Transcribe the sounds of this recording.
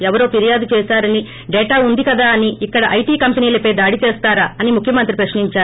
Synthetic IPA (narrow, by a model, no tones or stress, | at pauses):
ɛʋɐɾoːpiɾijaːd̪ut͡ʃɛːsaːɾɐni | ɖɛːʈaːund̪ikɐd̪aːɐniːkːɐɽɐʔɐjʈiːkɐmpɐniːlɐpejd̪aːɽit͡ʃeːst̪aːɾaːɐnimukʰjɐmɐnt̪ɾipɾɐʂniɲt͡ʃaːɾu